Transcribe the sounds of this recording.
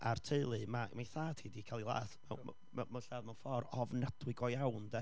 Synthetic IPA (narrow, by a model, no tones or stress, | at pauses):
ʔartʰeɨlˠɨmamajθaːtʰiːdikʰalˠilˠa̰ːθmɛ̰wm̰ | mɛmanɬaːðmawnfɔɾɔvnad̥wɪɨɡɔjawndɛ